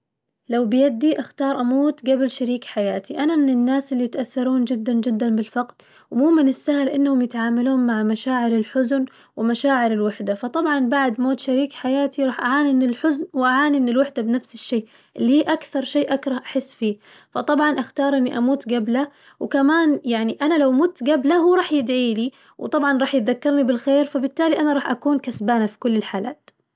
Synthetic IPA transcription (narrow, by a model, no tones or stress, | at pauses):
lawbɪjad̪iʔaxt̪ɑːɾˤʔamuːt̪ɡabɪlʃaɾiːkħajaːt̪ʰiʔanamɪnɪnːaːsɪlːijɪt̪ʔaθːɑɾˤuːnd͡ʒɪd̪ːand͡ʒɪd̪ːanbɪlfɑqd̪ | wmuːmɪnɪsːahlʔɪnːhʊmjɪt̪ʕaːmaluːnmaʕamaʃaːʕɪɾɪlħʊzn | wɪmaʃaːʕɪɾɪlwɪħd̪afɑt̪ˤɑbʕɑnbaʕd̪moːt̪ʃaɾiːkħajaːt̪iɾˤɑːħʔaʕaːniʔɪnːɪlħʊznwʔaʕaːniʔɪnːɪlwɪħd̪abnafsɪʃːeː | ʔɪlːihiːʔakθɑɾˤʃeːʔakɾˤɑhʔaħɪsːfiː | fɑt̪ˤɑbʕɑnʔaxt̪ɑːɾˤʔɪnːiʔamuːt̪ɡabla | wkamaːnjaʕniʔanalawʔmuːt̪ɡablahuːɾˤɑːħjɪd̪ʕiːli | wt̪ˤɑbʕɑnɾˤɑːħjɪt̪ðakːɑɾˤnibɪlxeːɾfabɪt̪ːaːliʔanaɾˤɑːħʔakuːnkasbaːnafi̥kʊlːɪlħaːla̰ːt̪